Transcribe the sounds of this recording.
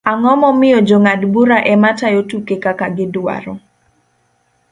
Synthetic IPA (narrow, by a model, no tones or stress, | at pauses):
aŋɔmɔmɪjɔd͡ʒoŋadbuɾaʔɛmatajotukekakaɡɪdwa̰ɾɔ